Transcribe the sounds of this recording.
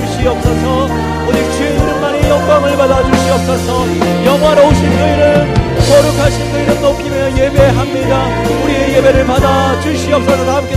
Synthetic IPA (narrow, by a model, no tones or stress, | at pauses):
uɕʰiʌp̚s͈ʌsʰʌ | ʌd͡ʑik̚t͡ɕʰinuɾɯnmanejʌŋɡaŋɯɭbadad͡ʑuɭɕʰiʌp̚s͈ʌsʰʌ | jʌŋwaɾooɕʰinkɯiɾɯɭ | kʌɾɯkʰaɕʰinkɯiɾɯnnokʰimʌjebeɦamɲida | uɾieɡebeɾɯɭpadat͡ɕuɕʰiʌp̚s͈ʌsʰʌsaamk͈e